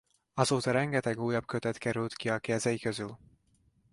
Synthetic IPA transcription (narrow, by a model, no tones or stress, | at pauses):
ɒzoːt̪ɒɾɛŋɡɛt̪ɛɡuːjɒb̚køt̪ɛt̪kɛɾylt̪kiɒkɛzɛjikøzyl